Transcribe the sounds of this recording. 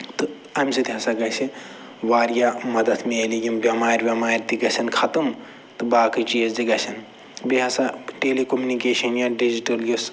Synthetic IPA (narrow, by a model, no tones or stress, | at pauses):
t̪ɨ | ɐmsit̪iɦɐsaɡɐsʰi | ʋaːɾjamɐd̪ɐt̪ʰmeelijimbʲɐmaːɾʲʋʲɐmaːɾʲt̪iɡɐsʰɐnkʰɐt̪ɐm | t̪ɨbaːkit͡ʃiːzd͡ʒ̪iɡɐsʰɐn | biɦɐsaʈeːlekomjunikeːʃɐnjaːɖid͡ʒiʈɐljus